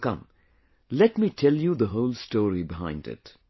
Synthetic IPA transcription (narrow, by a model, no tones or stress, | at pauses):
kʌ̰̃m | lɛtmitʰɛljud̪əɦoʊlstɔːɹibɪɦã̰ɪ̃ndɪ̰t